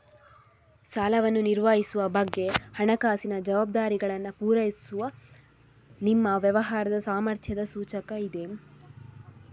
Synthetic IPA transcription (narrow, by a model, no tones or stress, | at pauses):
saːlɐʋɐnːuniɾʋaːɦisuʋɐbɐɡːe̞hɐɳɐkaːsinɐd͡ʒɐʋaːb̚d̪aːɾiɡɐɭɐnːɐpuːɾɐjisuʋɐ | nimːɐʋjɐʋɐɦaːɾɐd̪ɐsaːmɐɾt̪ʰjɐd̪ɐsuːt͡ʃɐkɐid̪e̞